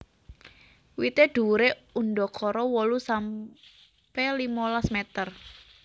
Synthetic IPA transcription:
wit̪eɖ̥ṳɾeunɖɔkʰɔɾɔwɔlusam | pɛlimolasmet̪ər

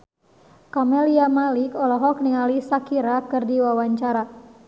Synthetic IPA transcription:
kɔmɛliamalikɔlɔɦɔk̚niŋalisakiɾakɨrdiwawaɲt͡ʃaɾa

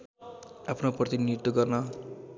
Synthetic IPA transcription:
apʰnoprʌt̪inid̪ːoɡʌrnʌ

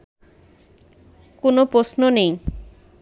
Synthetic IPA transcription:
konopɾosnonej

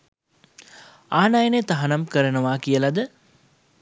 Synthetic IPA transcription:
aːnajənet̪aɦanɐmkəɾənəʋaːkijəlad̪ə

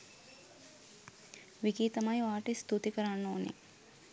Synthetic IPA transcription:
ʋikiːt̪ɐmajuaːʈist̪ut̪ikɐɾanːoːnḭ

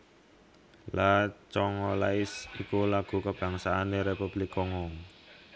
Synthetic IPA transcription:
lat͡ʃɔŋɔlaɪsikulaɡ̥ṳkəb̥ä̤ŋsaːneɾepub̥likɔŋɔŋ

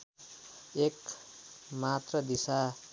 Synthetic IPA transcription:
ek | mat̪rʌd̪isa

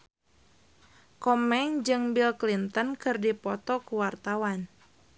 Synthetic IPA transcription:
kɔmɛŋd͡ʒɨŋbilklint̪ənkɨrdipɔt̪ɔkuwart̪awan

